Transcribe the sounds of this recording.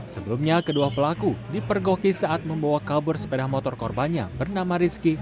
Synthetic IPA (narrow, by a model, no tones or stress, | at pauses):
səbəlumɲakəduapəlakudipərɡɔkisaʔat̪̚məmbawakabʊrsə̥pədahmɔt̪ɔrkɔrbanɲa̰bərnamaɾiski